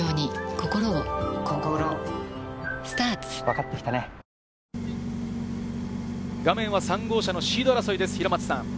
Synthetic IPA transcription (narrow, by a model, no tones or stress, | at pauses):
oːɲ̟iko̞ko̞ɾoːkõŋkoɯɾõ | sɨ̥t̪aːt͡sɨ̥βakat̪ːe̞kʲi̥t̪ane | ɡamẽ̞ɰ̃βasãŋɡo̞ːɕano̞ɕiːd̪oɾaso̞id̪e̞sɨ̥çiɾomat͡sɨ̥sãŋ